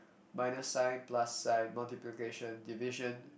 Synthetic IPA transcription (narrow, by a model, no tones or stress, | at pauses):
majnosaɪt̪̚plasːaɪt̚malt̪iplikeʃɔ̃nd̪ivɪʃɔ̃n